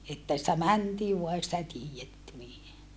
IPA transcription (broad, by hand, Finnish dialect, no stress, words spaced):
etːæ sĭtæ mæntiː ʋuɑ ei sitæ tiːjetːy niː